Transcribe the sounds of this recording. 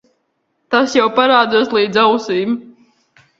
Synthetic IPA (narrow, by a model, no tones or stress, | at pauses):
t̪asjawpaɾaːd̪zaːslˠiːd̪zawsiːm